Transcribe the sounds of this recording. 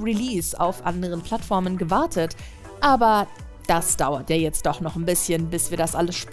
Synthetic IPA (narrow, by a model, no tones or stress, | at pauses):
ʁiliːsa̰ʊfʔa̰ndəʁ̞ənpʰl̥atfɔɐmənɡəvaɐtʰət | ʔaːbɐ | d̥asd̥aʊɐtjaːjɛt͡st̚d̥ɔχnɔχnbɪsçənbɪsv̥iːɐdasʔaləsʃp